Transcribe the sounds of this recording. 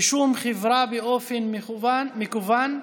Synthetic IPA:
ʃumχevɾabeʔofenmekuvan

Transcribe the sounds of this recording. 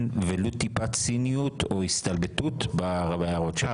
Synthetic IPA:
nvelot̪ipat͡sinijut̪oist̪albet̪ut̪baʁabajaʁotʃe

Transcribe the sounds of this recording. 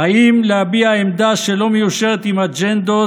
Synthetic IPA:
haimlehabiaaemd̪aʃe̞lo̞mejuʃe̞ʁet̪imad͡ʒend̪o

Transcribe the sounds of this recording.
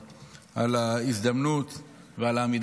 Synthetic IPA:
ʔalaisd̪amnut̪ | vealamid̪

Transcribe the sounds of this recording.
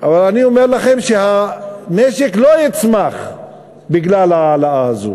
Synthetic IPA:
ʔavalaniomeʁlaχe̞mʃehameʃeklojit͡smaχ | biɡlalaːlaʔaazo̰

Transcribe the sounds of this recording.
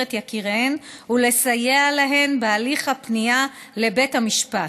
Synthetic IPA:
etjakiʁenule̞sajealaɦe̞nbealiχapnija | le̞be̞thamiʃpa

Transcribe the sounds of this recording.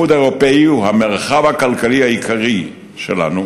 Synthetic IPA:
ud̪eʁopeiuhameʁχavhakalkalihaikʰaʁi | ʃela̰nu

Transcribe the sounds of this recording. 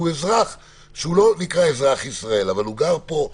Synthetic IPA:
uezʁaχ | ʃeulo̞nikʁaezʁaχisʁae̞lavaluɡaʁpo̞

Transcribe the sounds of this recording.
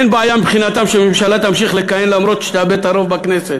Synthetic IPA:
nbaajamibχinat̪amʃememʃalat̪amʃiχlekajenlamɾo̞t̪ʃe̥t̪abet̪aɾo̞vbakneset̪

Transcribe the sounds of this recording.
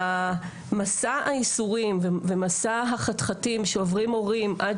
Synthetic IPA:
a | masaaisuʁimvevemasaɦaχatχatimʃeovʁimo̞ʁimʔad

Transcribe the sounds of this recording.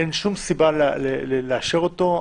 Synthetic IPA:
enʃumsiballeleleaʃeʁot̪o̞

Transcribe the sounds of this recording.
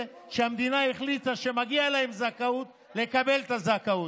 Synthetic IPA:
ʃeamd̪inahiχlitaʃemaɡiaelaemzakaut̪̚ | le̞kabe̞lt̪azakau

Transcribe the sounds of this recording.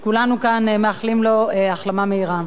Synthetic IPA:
kulanukanmeaχlimlo̞eaχlamameiʁa

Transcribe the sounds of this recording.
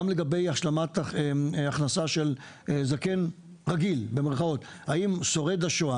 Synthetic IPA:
mle̞ɡabejaʃlamat̪eaχnasaʃel | zake̞n | ʁaɡilbe̞meʁχao̞t̪ | haimso̞ʁed̪aʃoa

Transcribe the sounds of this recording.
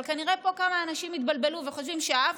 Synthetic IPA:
lkaniʁe̞po̞kamaːnaʃimit̪balbe̞luveχozvimʃeaav

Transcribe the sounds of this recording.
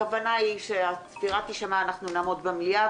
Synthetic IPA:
avanaiʃeasfiʁat̪iʃamaːnaχnunaːmo̞d̪bamlia

